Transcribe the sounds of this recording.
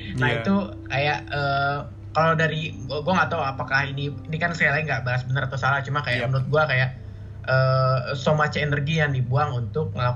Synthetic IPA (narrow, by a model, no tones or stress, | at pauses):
nahit̪u | kajaʔəː | kalawdaɾiəɡuaŋat̪awapakahiniinikansəkajalaɪŋɡaʔbaɦasbənəɾat̪awsalat͡ʃumakajaʔmənut̪̚ɡuakajaʔ | əːsomat͡ʃaenərɡijaŋdibuaŋunt̪ʊk̚ŋəla